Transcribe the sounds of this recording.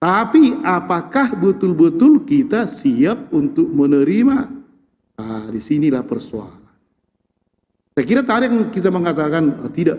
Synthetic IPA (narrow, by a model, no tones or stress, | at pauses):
t̪apiapakahbət̪ʊlbət̪ʊlkit̪asiap̚unt̪ʊk̚mənəɾima | adisinilahpərsoa̰lan | skiɾat̪adjaŋkit̪aməŋat̪akanət̪idaʔ